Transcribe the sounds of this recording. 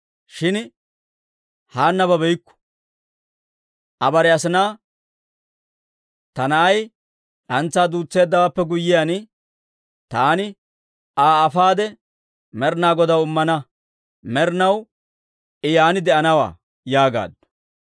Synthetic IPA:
ʃɪn | haːnːɐβɐbɛjkːʊ̥ | ʔɐbɐɾɛɐsɪnaː | t̪ɐnɐʔɐj | ᶑɐnt͡sːaːd̪uːt͡sːeːd̪ːɐwaːpːɛɡʊjːɪjan | t̪aːnɪ | ʔaːfaːd̪ɛ | mɛɾnaːɡɔd̪ɐwʊmːɐnɐ | mɛɾnɐw | ʔɪjaːnɪd̪ɛʔɐnɐwa̰ː | jaːɡa̰ːd̪

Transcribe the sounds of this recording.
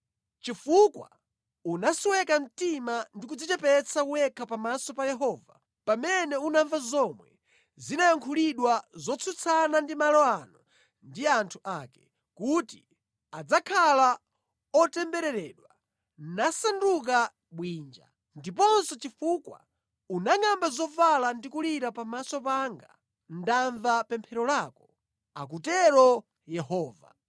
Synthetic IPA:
t͡ʃifukwa̰ | unaswɛkam̩timandik̬ud͡zit͡ʃɛpɛt͡sʰakuwɛkʰapamasɔpajɛɦɔːva̰ | pamɛnɛunaɱvazɔmwɛ | zinajaŋkʰuliɗwazɔt͡sʰut͡sʰanandimalɔanɔ | ndiantʰuʔakɛ | kutḭ | ad͡zakʰala | ɔtɛmbɛɾɛɾɛːɗwa | nasanduk̬a | ɓwiːnd͡ʒa̰ | ndipɔnsɔt͡ʃifukwa̰ | unaŋambazɔvalandikuliɾapamasɔpaŋɡa | ndaɱvapɛmpʰɛɾɔlaːkɔ | a̰k̬utɛɾɔ | jɛhɔːva̰

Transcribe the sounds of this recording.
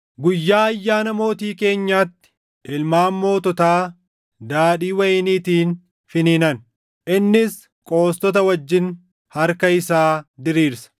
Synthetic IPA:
ɡʊjːaːɐjːaːnɐmo̞ːt̪iːke̞ːɲːaːt̪ːɪ̥ | ʔɪlmaːmːo̞ːt̪ɔt̪aː | d̪aːɗiːwɐjɪniːt̪iːn | fɪniːnɐn | ʔɪnːɪs | kʼo̞ːst̪ɔt̪̬ɐwɐd͡ʒːɪn | hɐɾkɐɪsaːd̪ɪɾiːɾsɐ̥

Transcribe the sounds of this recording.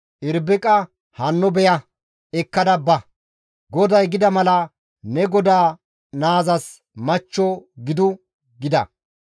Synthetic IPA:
ʔɪɾbɪkʼɐ | hɐnːɔbɛjɐ | ɛkːɐd̪ɐbːɐ | ɡɔd̪ɐjɡɪd̪ɐmɐlɐ | nɛɡɔd̪aː | naːzɐs | mɐt͡ʃːɔɡɪd̪ʊ | ɡɪd̪ɐ̰

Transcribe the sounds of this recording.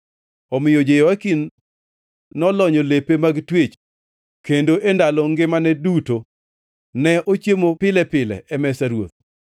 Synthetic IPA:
ɔmɪjod͡ʒejɔakin | ɔlɔɲɔlepemaɡtwet͡ʃ | kendoʔendalɔŋɡɪmanɛduto | nɛʔot͡ʃjemopɪlɛpɪlɛ̰ʔɛmɛsaɾwo̰t̪̚

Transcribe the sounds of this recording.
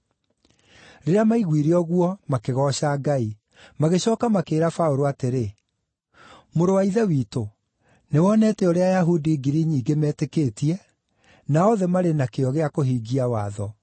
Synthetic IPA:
ɾeɾeamaiɣwiɾiɔɣwɔmakeɣɔɕaːɡai | maɣeɕɔːkamakeːɾafaoɾoateɾe | moɾowaiðɛwiːto | newɔnɛːtɛoɾeajaɦudiːɡiɾiɲiːɡemɛːtekeːtiɛ | naɔðɛmaɾenakeɔɣeakoɦiːɡiawaːðɔ

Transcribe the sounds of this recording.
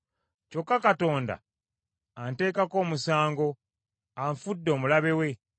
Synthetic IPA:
co̞kːakato̞ːnda̰ː | nte̞ːkako̞ːmusaːŋɡo̞ | aɱfudːo̞ːmulaβe̞we̞

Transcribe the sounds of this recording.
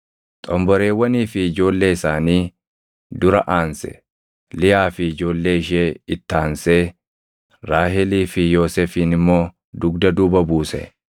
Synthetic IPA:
t̪ʼɔmbɔɾe̞ːwːɐniːfɪɪd͡ʒo̞ːlːe̞ːɪsaːniː | d̪ʊɾɐ̰ʔaːnsɛ̥̰ | lɪjaːfɪɪd͡ʒo̞ːlːe̞ːɪʃeːɪt̪ːaːnseː | ɾaːhɛliːfɪjo̞ːseːfiːnɪmːo̞ː | d̪ʊɡd̪ɐd̪uːbɐbuːsɛ̰

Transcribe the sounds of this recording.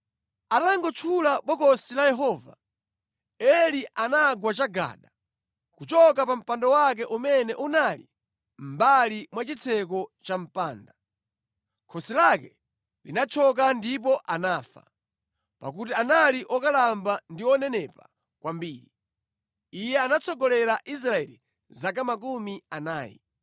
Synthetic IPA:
ataŋɡɔt͡ʃʰulaɓɔkɔsilajɛɦɔːva̰ | ɛliʔanaɡwat͡ʃaɡa̰ːɗa | kut͡ʃɔk̬apam̩pandɔwak̬ɛʔumɛnɛʔunali | m̩balimwat͡ʃit͡sʰɛk̬ɔt͡ʃam̩paːnda | kʰɔsilakɛ | linat͡ʃʰɔk̬andip̬ɔʔanaːfa̰ | pa̰k̬ut̬ianaliʔɔkalambandiɔnɛnɛpa | kwambiːɾi | ijɛanat͡sɔɡɔlɛɾaʔis̬ɾaɛli | zak̬amak̬umianaːjḭ

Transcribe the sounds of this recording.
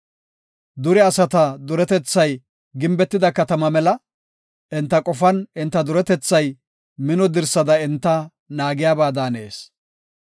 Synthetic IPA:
d̪ʊɾɪɐsɐt̪ɐd̪ʊɾɛt̪ɛt͡sːɐj | ɡɪmbɛt̪ːɪd̪ɐkɐt̪ɐmɐmɛlɐ | ʔɪnt̪ːɐkʼɔfɐnɪnt̪ːɐd̪ʊɾɛt̪ɛt͡sːɐj | mɪnɔd̪ɪɾsɐd̪ɐɪnt̪ːɐ | naːɡɪjaːbaːd̪aːneːs

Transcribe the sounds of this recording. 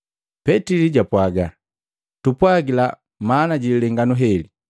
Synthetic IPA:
pɛtiliɟapwaɡa | tupwaɡila | manaɟililɛŋɡanuɦɛli

